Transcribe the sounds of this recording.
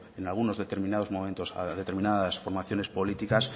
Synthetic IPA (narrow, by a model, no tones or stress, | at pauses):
enalɣ̞uno̞zðe̞t̪e̞ɾmĩnað̞o̞zmo̞mẽnt̪osa̰ðet̪eɾmĩnaðasfoɾmaθjo̞ne̞spo̞lit̪ikas